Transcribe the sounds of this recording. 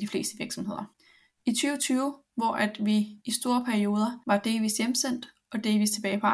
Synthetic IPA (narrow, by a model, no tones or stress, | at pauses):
d̥ifle̝̰ːsd̥əʋiɐɡ̥sɒ̽mhe̝ð̰ˠɐ | it͡sʰyːʊt͡sʰyːʊ | ʋɒʔæd̥ʋiːsd̥o̝ːɐpʰæɐio̝ːð̞ˠɐʋɑ̈d̥e̝̰ːlʋḭːsjemsen̰d̥ | ɒ̽d̥e̝ːlʋḭːst͡sʰe̝bɛːɪpʰɒɑ